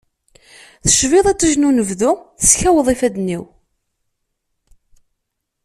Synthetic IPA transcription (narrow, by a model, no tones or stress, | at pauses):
θə̥ʃvɪðˤæt͡sːəʒnunəvðʊθə̥sçæwəðˤifæd̪niw